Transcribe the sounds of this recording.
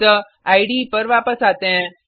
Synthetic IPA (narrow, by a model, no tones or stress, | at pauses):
ə | ajɽiːpəɾʋapəsat̪ẽ